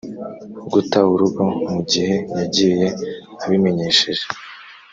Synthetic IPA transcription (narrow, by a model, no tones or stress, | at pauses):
ɡutaβuɾuɡomuɟihe̞jaɟije̞ | aβime̞ɲe̞ːʃeʒe